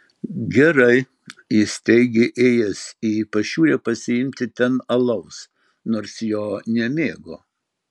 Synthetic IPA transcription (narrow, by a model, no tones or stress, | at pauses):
ɡʲɛɾɐɪ | ɪsʲt̪ʲɛɪɡʲɪʔeːjɛsʲiːpɐʃʲuːɾʲɛpɐsʲɪɪmʲt̪ʲɪt̪ʲɛnɐlˠɐʊs | noːɾsjoːnʲɛmʲeːɡoː